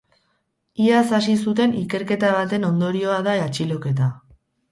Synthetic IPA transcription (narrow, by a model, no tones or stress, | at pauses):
iasasisut̪̬e̞nike̞ɾke̞t̪aβ̞at̪e̞no̞nd̪o̞ɾio̞aðaat͡ʃilo̞ke̞t̪a